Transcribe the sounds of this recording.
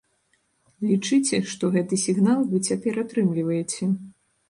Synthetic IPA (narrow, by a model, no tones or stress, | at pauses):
lʲit͡ʂɨt͡sʲɛʂt̪ɔɣɛt̪ɨsʲiɣnalˠvɨt͡sʲapʲɛɾat̪ɾɨmlʲivɐjɛt͡sʲɛ